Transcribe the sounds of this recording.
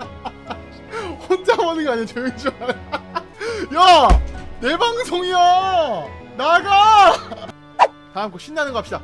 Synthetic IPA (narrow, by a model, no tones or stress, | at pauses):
ond͡ʑamʌnɯŋɡaɲet͡ɕɯɯnd͡ʑima | ja | ne̞baŋsʰoŋia | naɡa | taamkʰoɕʰinːanɯnɡʌapɕ͈ida